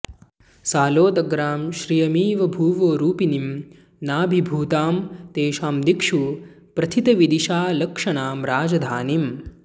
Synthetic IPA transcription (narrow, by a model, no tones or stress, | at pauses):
saːloːd̪ɐɡɾaːmʃɾijɐmiːʋɐbʱuːʋoːɾuːpinim | naːbʱibʱuːt̪aːmt̪eːʃaːmd̪ikʂu | pɾɐt̪ʰit̪ɐʋid̪iʃaːlɐkʂɐɳaːmɾaːd͡ʒɐd̪ʱaːnim